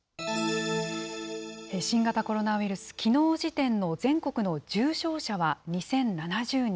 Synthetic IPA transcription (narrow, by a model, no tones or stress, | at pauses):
eɕĩŋɡat̪ako̞ɾo̞naβiɾɯ̟sɨ̥kʲino̞ːʑit̪ẽ̞nːo̞d͡zẽ̞ŋko̞kɯ̟no̞d͡ʑɨːɕo̞ːɕaβaɲ̟isẽ̞nnanaʑɨːɲ